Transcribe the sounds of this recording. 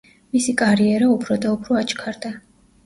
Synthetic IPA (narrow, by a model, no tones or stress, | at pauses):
misikʼaɾiɛɾaupʰɾɔd̪aupʰɾɔat͡ʃkʰaɾd̪a